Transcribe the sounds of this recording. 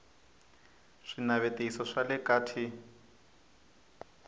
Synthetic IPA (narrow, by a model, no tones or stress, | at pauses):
ʂinaβetʼeisɔʂalɛkʼaːtʰi